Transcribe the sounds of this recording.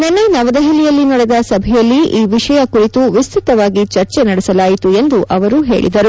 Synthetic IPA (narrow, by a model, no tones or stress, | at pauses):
nɐnːenɐʋɐd̪ɐɦilijɐlːinɐɽɛd̪ɐsɐbʱɛjɐlːiiːʋiʂɐjɐkuɾit̪uʋist̪ʰit̪ɐʋaːɡit͡ʃɐɾt͡ʃenɐɽɛsɐlaːjit̪ue̞nd̪uʔʔɐʋɐɾuɦe̞̰ːɭḭd̪ɐɾu